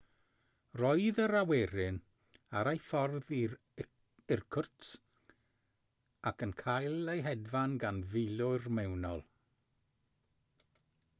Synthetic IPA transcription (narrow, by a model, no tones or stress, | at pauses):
rɔɨðəɾaweɾɪn | aɾajfɔrði | ɪrkʰʊrts | akənkʰajlˠejɦɛdvanɡanvɪjlʊrmɛwnɔlˠ